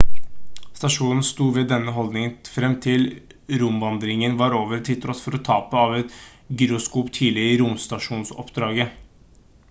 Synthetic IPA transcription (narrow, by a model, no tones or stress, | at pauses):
st̪ɑʂuːnn̩st̪uːʋɛːd̪ɛnːəɦɔld̪nɪŋfɾɛmt̪ʰɪlɾʊmʋɑnd̪ɾɪŋənʋɑɾoːʋəɾt̪ʰɪt̪ʰɾɔt̪fɔɾɔt̪ʰɑːpəɑʋɛt̪ | ɡʏɾʊskuːpt̪ʰiːlɪɪɾʊmst̪ɑʂuːnsɔ̰pd̪ɾɑːɡə